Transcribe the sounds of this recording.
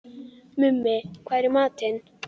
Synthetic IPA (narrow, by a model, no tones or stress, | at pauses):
mimːekʰʷaɾimat̪ʰen